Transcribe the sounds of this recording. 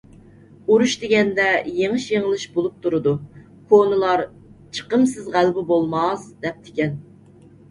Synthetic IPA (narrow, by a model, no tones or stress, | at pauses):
uɾuʃd̪ɪɡʲɛnd̪ɛjeŋɨʃjeŋlˠɨʃbolˠup̚t̪ʰuɾɨd̪u | kʰonɨlˠɑɾ | t͡ʃʰə̥qəmsɨzʁælbɪbolˠmɑzd̪ɛp̚t̪ʰɪ̥kʲɛn